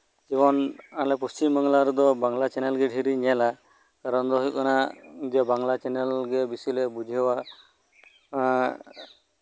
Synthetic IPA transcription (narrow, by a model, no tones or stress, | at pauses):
d͡ʒibɔnalɛpust͡ʃimːəŋlaɾud̪ɔbaŋlat͡ʃɛnɛlɡɛɖʱiɾiɲɛla | kaɾɔnd̪ɔɦujkɔnad͡ʒɛbaŋlat͡ʃɛnɛlɡɛbisilɛbud͡ʒʱiɦwa